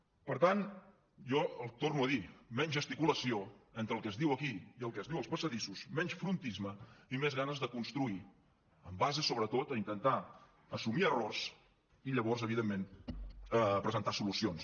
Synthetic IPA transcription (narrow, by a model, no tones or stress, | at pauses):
pəɾt̪an | ʒɔəlˠt̪ornuəðimɛɲʒəst̪ikuləsioɛnt̪ɾəlˠkəzðiwəkiiəlˠkəzðiwəlˠspəsəðisusmɛɲsfɾunt̪izməimezɣanəzðəkunst̪ɾui | əmbazəsoβɾət̪ot̪əint̪ənt̪a | əsumiərors | iʎəβɔrzəβiðemːen | əpɾəzənt̪asulusions